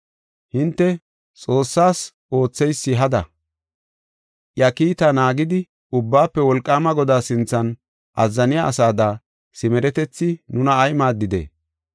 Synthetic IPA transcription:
hɪnt̪ːɛ | t͡sʼo̞ːsːaːs | o̞ːt͡sːɛjsːɪɦɐd̪ɐ | ʔjɐkiːt̪ɐnaːɡɪd̪ɪ | ʊbːaːpːɛwɔlkʼːaːmɐɡɔd̪aːsɪnt͡sːɐn | ʔɐzːɐnɪjaʔɐsaːd̪aː | sɪmɛɾɛt̪ɛt͡sːɪnʊnɐːjmaːd̪ːɪd̪ḛː

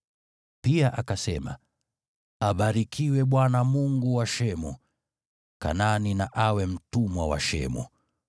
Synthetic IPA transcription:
piaʔakasɛma̰ | aɓaɾikʰiwɛɓwanamuŋɡuwaʃɛmu | ka̰naninaʔawɛm̩tumwawa̰ʃɛ̰mṵ

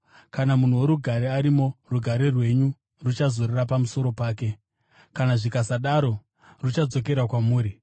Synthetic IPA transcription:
kanamun̤uwo̞ɾuɡʱaɾeaɾimo̞ruɡʱaɾerwe̞ɲu | rut͡ʃazorerapamuso̞ɾo̞paːke̞ | kanaʐikasaɗaɾo̞ | rut͡ʃad͡zo̞ke̞ɾakwamuːɾi

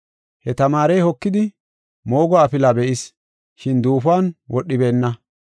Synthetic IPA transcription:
hɛt̪ɐmaːɾɛjhɔkːɪd̪ɪ | mo̞ːɡɔɐpɪlabɛʔɪs | ʃɪnd̪uːfaːnwʔɔɗːɪbe̞ːnːɐ

